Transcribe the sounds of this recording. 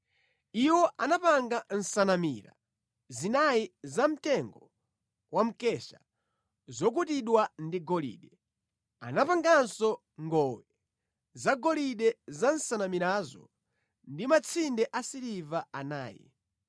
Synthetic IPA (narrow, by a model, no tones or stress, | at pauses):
iwɔʔanapaŋɡan̩sanamiɾa̰ | zinajizam̩tɛŋɡɔ | wʔam̩kɛʃa | zɔk̬utiɗwandiɡɔlḭɗɛ | a̰napaŋɡansɔ | ŋɡɔwɛ | zaɡɔliɗɛzan̩sanamiɾaːzɔ̰ | ndimat͡sʰindɛʔasiɾivaana̰ːjɛ̰